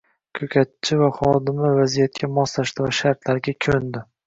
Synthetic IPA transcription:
kʲʰɵkʲʰat̪̚t͡ʃʰːɪvaχɒd̪ɪmavazijat̪̚kʲʰamɒst̪aʃt̪ɪvaʃaɾt̪laɾɡʲakʲʰɵnd̪ɪ

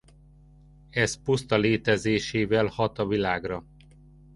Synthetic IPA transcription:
ɛzpust̪ɒleːt̪ɛzeːʃeːvɛlhɒt̪ɒvilaːɡrɒ

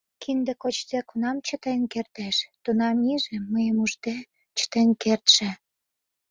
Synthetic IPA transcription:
kʰind̪ĕkot͡ɕzekunɑmt͡ɕə̆t̪enkert̪eʃt̪unɑmiʒĕːəjəmuʒt̪e | t͡ɕə̥t̪enkert̪ʃĕ

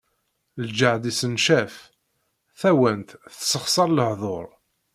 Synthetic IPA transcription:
ld͡ʒəʕd̪isənʃæf | θæwənt̪θsəχsˤɑɾˤləhðˤoɾˤ

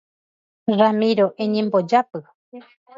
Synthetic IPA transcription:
ramiɾoʔeɲẽmbod͡ʒapɨ

